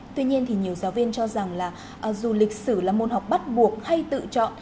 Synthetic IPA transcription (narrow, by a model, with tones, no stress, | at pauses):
t̪wi˧ɲi˧ənt̪ʰi˨˩ɲi˨˩əwzaː˨˦wvi˧ənt͡ɕɔ˧za˨˩ŋlaː˨˩ | ʔə˨˩zu˨˩lï˨˩k̟̚sɨ˧˩laː˨˩mo˨˩t̚ha˨˩wk͡p̚ɓa˦˥t̚ɓu˨˩ək̚ha˧jt̪ɨ̰˧˨t͡ɕɔ̰˧˨n